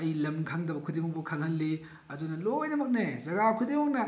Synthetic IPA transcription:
ɐjlɐmkʰaŋdɐbɐkʰudemoŋbɐkʰaŋhɐlːi | ɐdunɐlojnɐmɐk̚nezɐɡakʰudemoŋnɐ

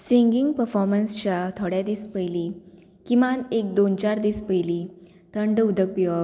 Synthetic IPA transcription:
siŋɡiŋɡpəɾfɔɾmənst͡ɕat̪ʰoɽjad̪iːspəjli | kimanek̚d̪ont͡ɕaɾd̪iːspəjli | t̪əɳɖud̪ʱək̚piʋa

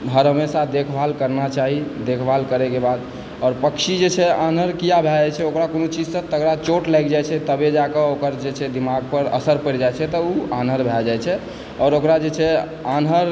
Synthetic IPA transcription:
dʱəɾɦəmesad̪ekʰbʱalkəɾnat͡ʃaɦid̪ekʰbʱalkəɾɛkebad̪ | ɔːɾpəkʃid͡ʒet͡ʃʰɛanəɾkijabʱɛɛt͡ʃʰɛokɾakonot͡ʃid͡ʒsə̃t̪əɡɾat͡ʃoʈlajkd͡ʒajt͡ʃʰɛt̪əbed͡ʒakəokəɾd͡ʒet͡ʃʰɛd̪imaɡ̚pəɾə̰səɾpəɾd͡ʒajt͡ʃʰɛt̪ɔuanɦəɾbʱɛld͡ʒajt͡ʃʰɛ | ɔɾokɾad͡ʒet͡ʃʰɛ | anɦəɾ

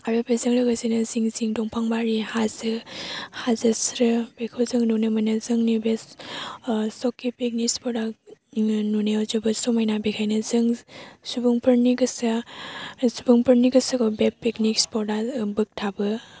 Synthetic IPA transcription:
aɾubezɯŋlɯɡazenɯziŋziŋdɔŋpʰaŋbaɾihazɯhazɯsɾɯbekʰɯzɯŋnunɯmanɯzɯŋnibes | sɔkːipeknikspɔda | nuneɔzɯbɯsɔmajnabekʰajnɯzɯŋsubɯŋpʰɯɾniɡɯsa | subɯŋpʰɯɾniɡɯsɯkɔbepːeknikspɔdabɯk̚tʰabɯ

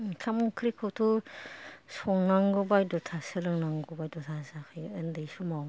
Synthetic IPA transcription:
kʰamkʰɾikʰɔtʰu | sɔŋnaŋɡɔbajdɔtʰasɯɾɯŋnaŋɡɔbajdɔtʰasakʰɯjɯndɯjsumaw

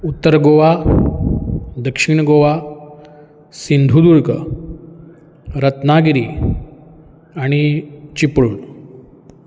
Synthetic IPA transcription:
ut̪ːəɾɡoʋa | d̪əkʂiːɳɡoʋa | sind̪ʱud̪uɾkə | ɾət̪naɡiɾiː | aɽ̃it͡ɕipɭuːɳ

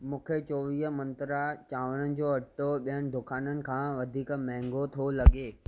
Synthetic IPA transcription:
mũːkʰet͡ɕɔːʋiːɦmɐ̃nt̪ɾat͡ɕaːʋənənɪ̆d͡ʑoːɐʈoɓiənɪ̆d̪ʱʊkʰaːnənɪ̆kʰãːʋɐd̪ʱiːkmɛ̃ɦŋɡot̪ʰolɐɡeː

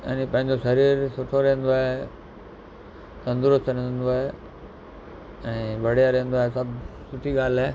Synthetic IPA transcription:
ɐ̰ːnĩpɐ̃ɦɪ̃ɲd͡ʑosɐɾiːɾsʊʈʰoɾẽɦə̃n̆d̪oaːɦe | t̪ɐ̃nd̪ʊɾʊst̪ɾẽnd̪oaːɦe | ɛ̃ːʋʱɐɽijaɾẽɦə̃n̆d̪oaːesɐbsʊʈ̪ʰiɠaːl̤eː

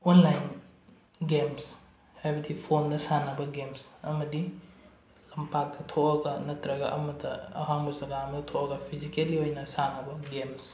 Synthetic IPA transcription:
onlajn | ɡems | hajbɐdipʰondɐsanɐbɐɡemsɐmɐdi | lɐmpak̚dɐtʰoɐɡɐnɐtɾɐɡɐʔɐmɐdɐɐ̰ɦaŋbɐzɐɡaɐmɐdɐtʰoʔɐɡɐpʰizikeliojnɐsanɐbɐɡems

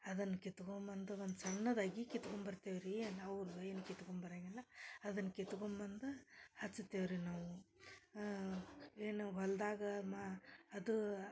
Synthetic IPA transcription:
ɐd̪ɐnːɐkit̪ɡombɐnd̪uʋond̪ut͡ʃɐnːɐd̪aːɡikit̪kombɐɾt̪iʋɾienɐʋɾueːnukit̪kombɐɾaɡilːɐɐd̪ɐnːɐkit̪ɡombɐnd̪uhɐt͡ʃːut̪ːiʋɾinaːʋu | eːnuɦɐld̪aːɡɐmaɐd̪u

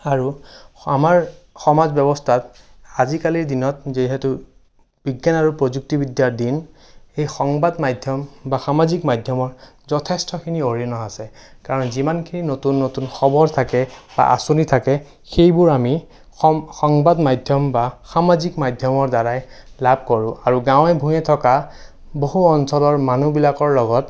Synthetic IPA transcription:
aɹuamaɹ | xɔmazbɔbɔstʰat | azikaliɹdinɔt̚ziɦɛtu | b̥iɡjanaɹupɹozuk̚tibidjaɹdin | ejxɔŋbadmajdʱjɔmbaxamazikmajdʱjɔmɔɹ | zɔtʰɛstɔkʰinioɹiɔnɔɦasɛ | kaɹɔnzimankʰininotunːotunxɔbɔɹtʰakɛba̰ʔa̰sunitʰakɛ | xejbʊɹami | ɔxɔŋbadmajdʱjɔmbaxamazikmajdʱjɔmɔɹdaɹajlab̚ʱkɔɹʊ̃aɹuɡãwɛbʱũjɛtʰɔka | boɦuɔnsɔlɔɹmanubilakɔɹlɔɡɔt

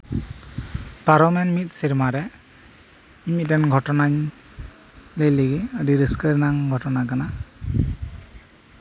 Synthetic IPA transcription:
paɾɔmɛnmit̚siɾmaɾɛ | imit̚dɛnɡʱɔtɔnaɲ | ləjliɡiadiɾiskəɾnaŋɡʱɔtɔnakana

